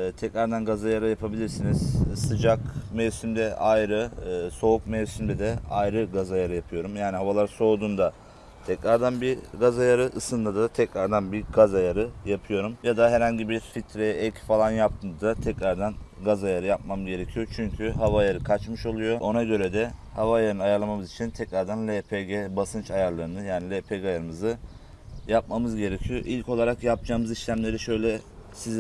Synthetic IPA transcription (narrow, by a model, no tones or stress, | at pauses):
t̪ʰɛcɾaɾd̪anɡazajaɾɯjapʰabilʲiɾsiniz̥sɯd͡ʒakmɛvsymd̪ɛʔajɾɯso̞uk̚mɛvsymd̪ɛd̪ɛajɾɯɡazajaɾɯjapʰɯjo̞ɾumjaːniɦavalˠaɾso̞ːd̪und̪a | t̪ʰɛcɾaɾd̪anbiɾɡazajaɾɯʔɯsɯnd̪ad̪at̪ʰɛcɾaɾd̪anbiɾɡazajaɾɯjapʰɯjo̞ɾumjad̪aɦɛɾhaɲɟibiɾfit̪ʰɾɛɛcfalˠanjap̚t̪ʰɯnd̪d̪at̪ʰɛcɾaɾd̪anɡazajaɾɯjap̚mamzɟe̞ɾecʰijo̞t͡ʃʰyɲcʰyɦavajaɾɯkʰat͡ʃmɯʃo̞lˠujo̞ʔo̞naɟø̞ɾɛd̪ɛhavajaɾɯnɯajaɾlˠamamɯzit͡ʃʰint̪ʰɛcɾaɾd̪anlʲepʰeɟɛbasɯnt͡ʃajaɾlˠaɾɯnɯjaːnilʲepʰeɡajaɾɯmɯzɯ | jap̚mamɯzɟe̞ɾecʰijo̞ʔilʲcʰo̞lˠaɾakjap̚d͡ʒaːmɯziʃlʲæmlʲe̞ɾiʃø̞jlʲɛ | siz